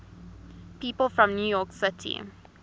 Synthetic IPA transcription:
piːpəlˠfɹɔ̃mnjuːjɔːˑksɪtʰḭ

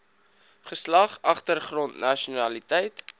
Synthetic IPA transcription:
χəslɐχɐχtərχrɔntnɐʃunɐlitɛjt

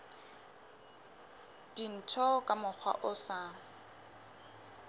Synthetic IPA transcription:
d̥in̩tʰɔkʼamʊk͡xʰwa̰ʔʊsa

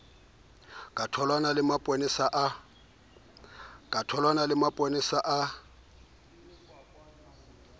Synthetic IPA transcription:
kʼatʰɔlwanalɪmapʼonɪsaʔa | kʼatʰɔlwanalɪmapʼonɪsaʔa

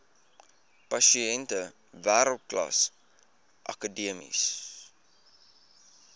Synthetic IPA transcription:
pɐʃiɛntə | væːɾəlˠt̚klɐ̰s | ʔɐ̰kədiəmḭs

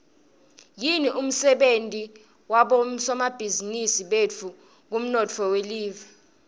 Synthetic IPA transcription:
jiniʔum̩sɛɓentʼi | waɓɔsɔmab̥ʱizinisiɓet͡fʰu | k̬um̩nɔt͡fʰɔweliːva

